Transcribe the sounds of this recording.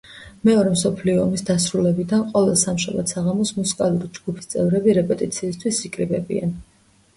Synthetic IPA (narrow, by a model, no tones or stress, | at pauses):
mɛɔɾɛmsɔpʰliɔːmisd̪asɾulɛbid̪anqʼɔvɛlsamʃa̰ba̰d̪̥saʁamɔsmusi̥kʼalˠuɾid͡ʒɡupʰi̥st̪sʼɛvɾɛbiɾɛpʼɛt̪ʼit̪sʰiːst̪ʰwisikʼɾibɛbḭa̰n